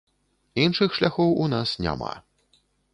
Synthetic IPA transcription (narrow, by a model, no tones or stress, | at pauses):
inʂɨxʂlʲaxɔwunasnʲa̰ma̰